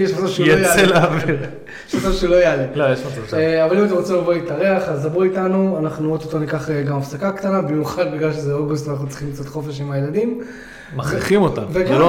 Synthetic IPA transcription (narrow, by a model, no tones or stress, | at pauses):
jɛʃmat͡savʃejajalelaaːviʁ | jɛʃmat͡saʃulojalilojeʃmat͡savʃeavalimat̪̬emʁot͡simlavoit̪aʁeaχazavoitanuanaχnuot̪ot̪onikaχeɡamafsakakt̪anabimjuχad̪̚biɡlalʃezeoɡus̬t̪anaχnut͡si̥χimkt͡sot̪χo̞fe̞ʃimajeladim | maχiχimot̪a̰nveɡalo